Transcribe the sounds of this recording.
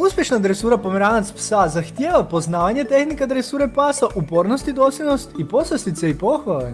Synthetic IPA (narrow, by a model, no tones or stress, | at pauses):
uspje̞ʃnaːd̪ɾesuːɾapomeɾaːnat̪spsazaxt̪jeːʋapo̞znaːʋaɲe̞t̪e̞xnikead̪ɾesuːɾe̞paːsaʔupo̞ːɾno̞st̪id̪oslʲeno̞st̪ipo̞sast̪it̪seipo̞xʋale